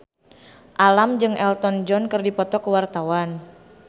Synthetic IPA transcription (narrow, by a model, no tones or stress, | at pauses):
ʔalamd͡ʒɨŋʔɛlt̪ɔnd͡ʒɔnkɨrdipɔt̪ɔkəwart̪awan